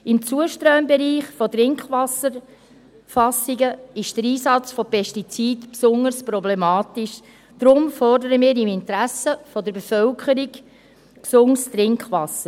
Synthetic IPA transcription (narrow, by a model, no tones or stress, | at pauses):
ɪmt͡suəʃtɾœmbeɾiːχfɔtɾɪŋkχʋɑsəɾ | fɑsiɡəɪʃd̥əɾiːsɑt͡sfɔpʰɛʃtit͡siːdpsʊŋəɾsprɔblemɑːt̪iʃ | d̥ɾʊmfɔrdəɾəmɪːɾɪmɪnt̪ɾæsəfɔdəɾbefœlkχəɾiɡ | ksʊŋst̪ɾɪŋkχʋɑsəɾ